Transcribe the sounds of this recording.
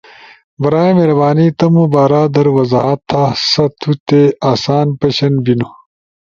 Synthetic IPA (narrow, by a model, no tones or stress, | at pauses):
bɐɾaːmeɾɐbaːnit̪ɐmubaːɾaːd̪ɐɾwɐzaːɐt̪ʰːasɐt̪ʰut̪eaːsaːnpɐɕɐnbino